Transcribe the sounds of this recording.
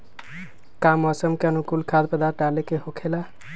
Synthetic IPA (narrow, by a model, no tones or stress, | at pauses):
kamɔsəmkeənukulkʰad̪̚pəd̪aʈalekeɦokʰela